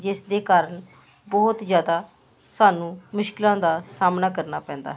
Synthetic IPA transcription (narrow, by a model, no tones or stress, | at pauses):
d͡ʒɪsd̪eːkaːɾəɳ | bɔːt̪zjaːd̪aː | saːnũːmʊʃkɪlãːd̪aːsaːmnaːkəɾnaːpɛ̃ːnd̪a̰ːɦ